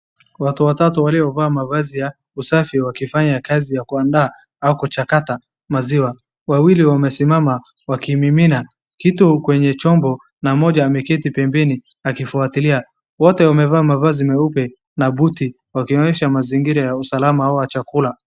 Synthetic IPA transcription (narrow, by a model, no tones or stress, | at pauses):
watuwatatuwaliɔvaːmavazija | usafiwakifaɲakazijakuandaː | aukut͡ʃakata | maziwa | wawiliwamɛsimama | wakimimina | kitukwɛɲɛt͡ʃɔmbɔ | namɔʄaːmɛkɛtipɛmbɛni | akifuatilia | wɔtɛwamɛvaːmavazimɛupɛ | nabuti | wakiɔɲɛʃamaziŋɡiɾajausalamaauwat͡ʃakula